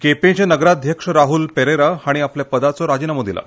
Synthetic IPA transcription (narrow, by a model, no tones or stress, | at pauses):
kepẽt͡ɕanəɡɾad̪ʱjəkʂəɾaɦuːlpeɾeɾaaɽ̃iapljapəd̪at͡sɔɾad͡ʑinamod̪ila̰